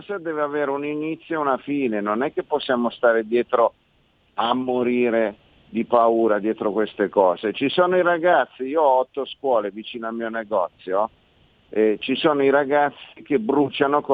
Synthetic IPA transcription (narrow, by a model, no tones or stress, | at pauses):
sed̪ɛːveaveːɾeuninit̪sːjounafiːnenonɛkːepːosːjaːmost̪aːɾed̪jɛːt̪ɾo | amːoɾiːɾe | d̪ipauːɾad̪jɛːt̪ɾokwest̪ekɔːzet͡ʃisoːnoiɾaɡat̪sːiiːoɔɔt̪ːoskwɔːlevit͡ʃiːnoalmiːoneɡɔt̪sːjo | ɛt͡ʃisoːnoiɾaɡat̪sːik̟ebɾut͡ʃanok